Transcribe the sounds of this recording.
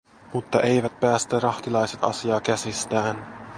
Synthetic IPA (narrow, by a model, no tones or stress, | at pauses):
mut̪ːɑʔe̞jʋæt̪̚pæːst̪ærɑht̪ilɑjse̞t̪ɑ̰siɑːkæsist̪æːn